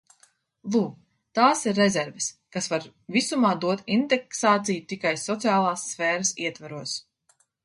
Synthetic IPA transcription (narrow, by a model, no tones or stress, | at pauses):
lˠuː | t̪aːsiɾːezʲɛɾvɛskasvaɾ | visumaːd̪uɔt̪ind̪ɛksaːt̪sijut̪ikajsɔt̪siaːlˠaːsːfɛːɾasiɛt̪vaɾuɔs